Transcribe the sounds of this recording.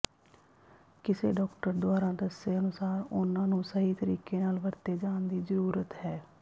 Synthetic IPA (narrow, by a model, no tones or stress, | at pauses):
kɪseːɖɔːkʈəɾd̪ʊaːɾãːd̪əseːənʊsaːɾʊnãːnũːsəɦiːt̪əɾḭːkeːnaːlʋəɾt̪eːd͡ʒaːnd̪iːzəɾuːɾət̪ɦɛː